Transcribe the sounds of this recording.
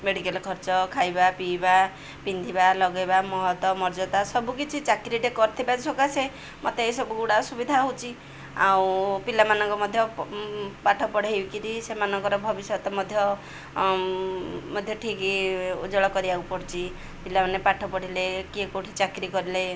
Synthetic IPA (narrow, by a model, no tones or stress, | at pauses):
meɽikelɔkʰɔɾt͡ʃɔkʰajbapiba | pind̪ʱibalɔɡɔjbamɔɦɔt̪ɔmɔɾd͡ʒɔt̪asɔbukit͡ʃʰit͡ʃakɾiʈekɔɾt̪ʰibasokase | mʔɔt̪eːsɔbuɡuɽasubid̪ʱaɦowt͡ʃʰi | a̰wpilamanɔŋkɔmɔd̪ʱjɔ | paʈʰɔpɔɽ̤eewkiɾisemanɔŋkɔɾɔbʱɔbisjɔt̪ɔmɔd̪ʱjɔ | mɔd̪ʱjɔʈʰikiud͡ʒɔɭɔkɔɾiaupɔɽt͡ʃʰi | pilamanepaʈʰɔpɔɽ̤ilekikoʈʰit͡ʃakɾikɔɾile